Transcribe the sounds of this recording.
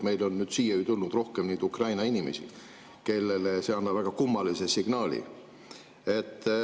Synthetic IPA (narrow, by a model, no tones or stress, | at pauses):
me̞jlo̞nːyːd̪̥siːjɑyt̪ulnud̪̥ro̞hkemniːd̪ukrɑjnɑinimesḭ | ke̞lːe̞lese̞ɑnːɑb̥væɡ̥ɑkumːɑlise̞siɡ̥nɑːlḭ | e̞t̪ː